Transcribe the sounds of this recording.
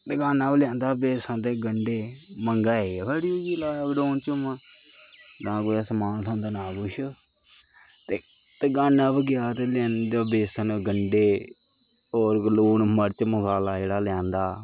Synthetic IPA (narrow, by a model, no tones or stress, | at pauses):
t̪eɡaːnãːbljãːnd̪aːbeːsãːt̪eːɡəɳɖeːməŋɡaːeːbəɽjod͡ʒilaːɡɖoːnt͡ʃəma | ɡãːɡojaːsəmaːnlõːnd̪aːnãːɡʊʃ | t̪eː | t̪eːɡaːnaːbəɡɪjaːt̪elãːnd̪aːbeːsənɡəɳɖeː | oːɾloːnməɾt͡ʃməkaːlaːd͡ʒeːɽaːljãːnd̪aː